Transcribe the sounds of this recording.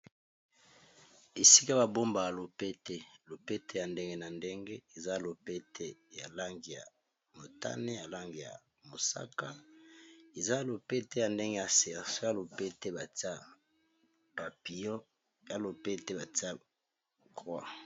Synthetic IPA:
e˨si̥˦ka˦ba˨bo˦mba˨a˨lo˨pe˦te˦lo˨pe˦te˦ja˨nde˦ŋɡe˦na˨nde˦ŋɡe˦e˨za˦˨lo˨pe˦tʰe˦ja˨la˦ŋɡi˨ja̰˨ | mo˨ta̰˦ne˦ja˨la˦ŋɡi˨ja̰˨ | mo˨sa̰˦ka˦ | e˨za˦lo˨pe˦te˦ja˨nde˦ŋɡe˦ja˨sɛ˨so˦ja˦lo˨pe˦te˦ba˨ti˦a˦ | pa˨pi˨jɔ˦ | ja˦lo˨pe˦te˦ba˨ti˦a˦ | kʁwa̰˦˨

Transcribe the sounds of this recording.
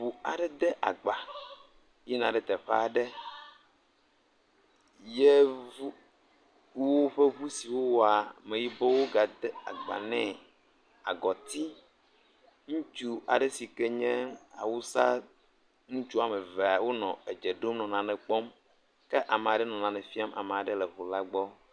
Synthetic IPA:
ɸu˨a̰˨ɖɛ˦d̪ɛ˦ʔa̰˨ɡ͡ba˨ | jɛ˦nã˨ɖɛ˨t̪ɛ˨ɸɛ˦a˦˨ɖɛ˦ | je˦vu˦ | ku˦wo˦ɸe˦βu˦si˨wo˦wo˦a˨mẽ˨ji˦bɔ˦wo˦ɡa˨d̪ɛ˦a̰˨ɡ͡ba̰˨nɛ̃˦ | a˨ɡɔ˨t̪i˦ | ŋũ˦t͡ʃu˦a˨ɖɛ˦si˨kɛ˦ɲɛ̃˦a̰˨wu˦sa˦ | ŋũ˦t͡ʃu˦a˨mɛ̃˨vɛ˨a˨wo˦nɔ̃˨e˨d͡ʒɛ˨ɖo˦mnɔ̃˨nã˨nɛ̃˨k͡pɔ˦m | kɛ˦ʔa˨me˨a˨ɖɛ˦nɔ̃˨nã˨nɛ˨fi˦a˦mʔa̰˨mɛ˨a˨ɖɛ˦lɛ˨ɦu˨la˦ɡ͡bɔ˦

